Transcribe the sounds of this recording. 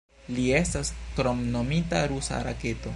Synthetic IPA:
lie̞staskɾo̞mno̞mitaɾusa̰ɾa̰ke̞to̞

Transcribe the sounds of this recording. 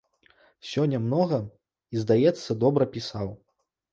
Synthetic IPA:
sʲɔnʲːɐmnɔɣɐ | izd̪ajɛt̪sːɐd̪ɔbɾɐpʲisaw

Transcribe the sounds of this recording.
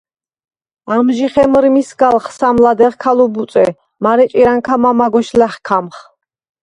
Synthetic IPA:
amʒiχɛmɾmisɡalχsamlad̪ɛʁkʰalubut̪sʼɛ | maɾɛt͡ʃʼiɾaŋkʰamamaɡɔʃlɛχkʰamχ

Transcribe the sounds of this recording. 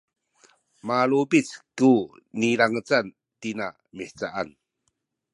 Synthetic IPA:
maɭubit͡sku | niɾaŋət͡san | tina | miħt͡saʔan

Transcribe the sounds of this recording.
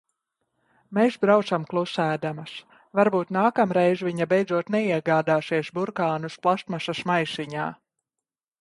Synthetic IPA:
mesbɾawt̪samklˠusæːd̪amas | vaɾbuːt̪naːkamɾɛjzviɲabɛjd̪zuɔt̪nɛiɛɡaːd̪aːsiɛʃbuɾkaːnusplˠaʃt̪maʃasmajʃiɲaː

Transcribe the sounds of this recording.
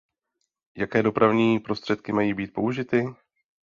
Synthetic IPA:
jakɛːdo̞pɾavɲiːpɾo̞st̪r̝̥ɛt̪kɪmajiːbiːt̪̚po̞uʒɪt̪ɪ

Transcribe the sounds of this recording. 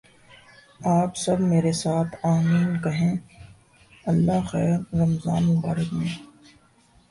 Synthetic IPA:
aːpsɐbmeːɾesaːt̪ʰaːmiːnkɐɦẽː | ɐlːaxɛːɾːɐmza̰ːnmʊbaːɾəkmẽː

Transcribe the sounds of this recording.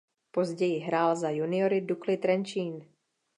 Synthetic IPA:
po̞zɟɛjɪɦɾaːlzajunɪoɾɪduklɪt̪ɾɛnt͡ʃiːn

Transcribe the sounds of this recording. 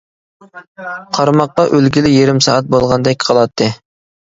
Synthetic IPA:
qʰɑɾmɑqːɑʔølɡʲilɪjeɾɪmsɑ̰ːɑt̪̚bolˠʁɑnd̪ɛk̚ʲqʰɑlˠɑt̪ʰːɨ

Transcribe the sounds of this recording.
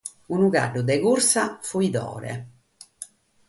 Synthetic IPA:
unuka̰ɖːud̪ɛkursafuid̪ɔ̰ːɾɛ̰

